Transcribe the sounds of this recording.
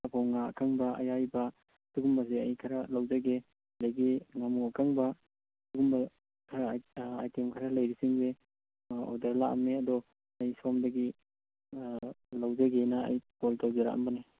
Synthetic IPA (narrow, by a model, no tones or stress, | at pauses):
apʰawŋaɐ̰kʰaŋbɐɐ̰jajbɐ | duɡumbɐzeɐjkʰaɾalawzaɡe | dajɡiŋamuakʰaŋbɐ | duɡumba | kʰaɾaajtemkʰaɾɐlɐjɾisiŋbe | o̰dɐɾlaʔɐ̰mːeɐdɔ | ɐjsɔmdɐɡi | lawzaɡena̰ːjpɔltawzeɾa̰ʔɐ̰mbɐni